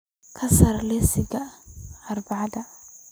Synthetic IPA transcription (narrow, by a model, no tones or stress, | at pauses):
kʰɐsɐrlɛsɪɡɐː | rbɑʕɑd̪ɐ